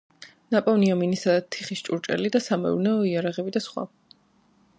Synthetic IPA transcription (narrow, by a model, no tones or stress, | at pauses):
napʼɔvniaminisad̪at̪ʰiχist͡ʃʼuɾt͡ʃʼɛ̰lid̪asamɛ̰ṵɾnɛɔiaɾaʁɛbid̪asχwa̰